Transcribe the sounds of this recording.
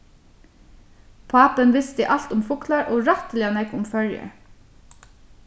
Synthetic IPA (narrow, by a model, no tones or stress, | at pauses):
pʰɑːpənʋɪst̪əʔɑlt̪ʊmfʊkʰlɑɹʔoːɹɑt̪əlɪɑnɛkʊmfœljə̰ɹ